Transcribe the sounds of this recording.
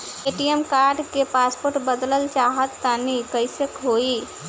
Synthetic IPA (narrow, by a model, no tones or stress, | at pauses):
eʈiemkaɾɖkepaspoɾʈbəd̪ləlt͡ʃaɦət̪ːanikəɪsəkɦoi